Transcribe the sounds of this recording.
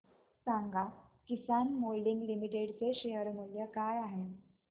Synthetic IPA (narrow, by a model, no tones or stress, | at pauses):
saŋɡakisanmolɖiŋɡlimiʈeɽt͡seɕejəɾmuljəkajaɦe